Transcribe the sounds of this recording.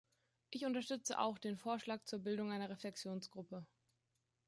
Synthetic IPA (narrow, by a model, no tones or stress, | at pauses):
ʔɪçʊntɐʃtʏt͡sə̰ʔa̰ʊxd̥eːnfoːɐʃlaːk̚t͡suːɐbɪldʊŋʔaɪnɐʁeflɛksjoːnsɡ̥ʁʊpə